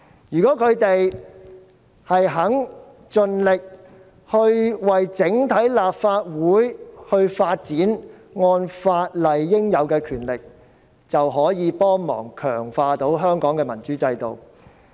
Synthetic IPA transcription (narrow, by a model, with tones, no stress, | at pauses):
jyː˨kɔː˨˥kʰɵ˨˧ɥt̪e˨j | hɐ˨jɦɐ˨˥ŋ | t͡ʃɵ˧nlɪ˨k̚ | hɵ˧ɥwɐ˨jt͡sɪ˨˥ŋt̪ʰɐ˨˥jlaː˨p̚faː˧t̚wuː˨˥jhɵ˧ɥfaː˧t̚t͡siː˨˥n | ŋɔː˧nfaː˧t̚lɐ˨jːɪ˥ŋjɐ˨˧wkɛː˧kʰyː˨˩nlɪ˨k̚ | t͡sɐ˨wɦɔː˨˥jiː˨˧pɔː˥ŋmɔ̰ː˨˩ŋkʰœː˨˩ŋfaː˧t̪o˨˥wɦœː˥ŋkɔː˨˥ŋkɛː˧mɐ˨˩nt͡ʃyː˨˥t͡sɐ˧jt̪o̰˨w